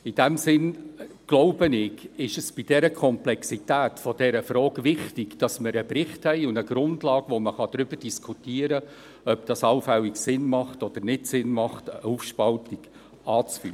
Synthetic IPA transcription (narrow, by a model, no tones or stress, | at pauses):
id̥ɛmsɪnɡ̥loʊbənɪɡɪʃəsb̥id̥ɛɾəkʰɔmplɛksitæːtfɔd̥ɛɾəfɾɔːɡʋɪχtɪɡd̥ɑsməɾəbrɪχthɛɪʊndəɡ̥ɾʊndlɑːɡ̥ʋoməχɑd̥̪ɾʏb̥ərd̥iskʰutiːəɾə | œp̚d̥ɑsɑlfɛlːiksɪnmɑχtɔd̥əɾnɪtsɪnmɑχtəufʃpɑltiɡ̥ | ɑːt͡sfy̰ːə